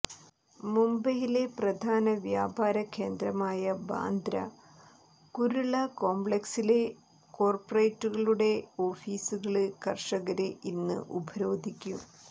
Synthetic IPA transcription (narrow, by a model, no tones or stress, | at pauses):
mumbɐjile̞prɐd̪ʱaːnɐʋjaːbʱaːɾɐkʰːe̞ːnd̪ɾɐmaːjɐba̰ːnd̪ɾɐ̰ | kuɾuɭɐko̞ːmbɭeksile̞ | ko̞ːrpɐrejtːuɣɐɭuɽe̞o̞ːfiːsuɣɐɭɨkɐrʂɐɣɐɾeʔinːɨ̰ʔubʱɐɾo̞ːd̪ʱikʲːum